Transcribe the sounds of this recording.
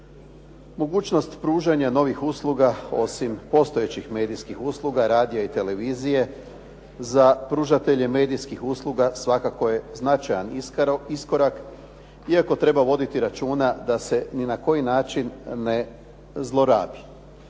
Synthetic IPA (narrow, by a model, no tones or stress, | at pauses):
mo̞ɡuːt͡ʃno̞st̪pɾuːʒaɲano̞ʋixuːslˠuɡao̞̰simpo̞st̪o̞jet͡ɕixme̞ːd̪ijskixuːslˠuɡaɾaːd̪ijait̪e̞le̞ʋiːzije̞ | zapɾuːʒat̪e̞ʎe̞me̞ːd̪ijskixuːslˠuɡasʋakako̞je̞znat͡ʃajanisko̞ɾak | iako̞t̪ɾe̞baʋo̞d̪it̪iɾat͡ʃuːnad̪ase̞ninako̞jinaːt͡ʃinːe | zlˠo̞ɾaːbi